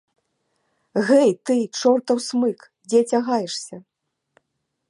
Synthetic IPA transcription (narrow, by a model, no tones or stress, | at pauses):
ɣɛjt̪ɨt͡ʂɔrt̪ɐwsmɨk | d͡zʲɛt͡sʲaɣajɛʂsʲɐ